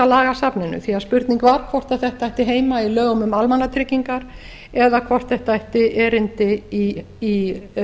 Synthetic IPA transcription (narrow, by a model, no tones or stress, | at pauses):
alaːɣasapnɪnʏ̰θiaðspʏɾt̪niŋkvaɾ̥kʰvɔr̥t̪aθɛht̪aajht̪ɪɦeːjmailœːɣʏmʏmalmanːat̪ʰɾɪcːiŋkaɾ | ɛðakʰvɔr̥t̪θɛht̪aajht̪ɪɛɾɪnt̪ɪi | i